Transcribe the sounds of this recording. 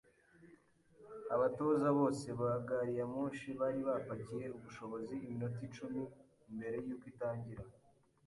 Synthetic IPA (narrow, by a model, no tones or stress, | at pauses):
aβatozaβo̞ːse̞βahaɡaɾijamuːʃiβaːɾiβapacije̞uβuʃo̞βo̞ziːminot̬it͡ʃumiː | mbe̞ɾe̞juːkwitaːɲɟiɾa